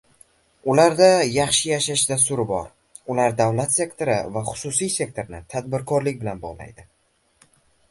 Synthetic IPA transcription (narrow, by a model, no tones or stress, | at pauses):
ʊlaɾd̪ajɑχʃɪjaʃaʃd̪ast̪ʊɾɪbɒ̰ɾ | ʊlaɾd̪avlat̪se̞kt̪ʰoɾɪ̰vaχʊ̥sʊsijse̞k̚t̪ʰo̞ɾnɪt̪ʰad̪̚bɪɾkʰɒɾlɪkʲbɪlanbɒʁlˠa̰jd̪ɪ